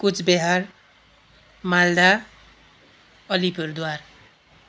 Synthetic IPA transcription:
kut͡sʰbeɦar | mald̪a | ʌlipʌɾd̪waɾ

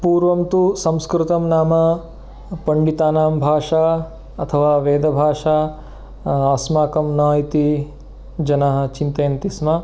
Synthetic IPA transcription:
puːɾʋɐmt̪usɐ̃mskɾut̪ɐmnaːmɐ | pɐɳɖit̪aːnaːmbʱaːʂaː | ɐt̪ʰɐʋaːʋeːd̪ɐbʱaːʂa | ɐːsmaːkɐmnaːjit̪i | d͡ʒɐnɐɦɐ̆t͡ʃint̪ɐjɐnt̪ismɐ

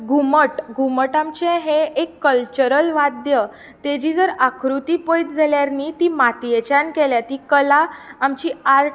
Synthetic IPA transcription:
ɡʱuməʈɡʱuməʈamt͡ɕẽɦeʔekːəlt͡ɕəɾəlʋad̪jə | t̪ed͡ʑid͡zəɾakʰɾut̪ipojt̪d͡zʱaljaɾnit̪imat̪jet͡ɕankɛljat̪ikəlaːmt͡ɕiaɾʈ

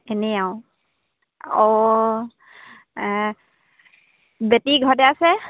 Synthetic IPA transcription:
ɛnɛaʊ | ɔ | betiɡʱɔtɛasɛ

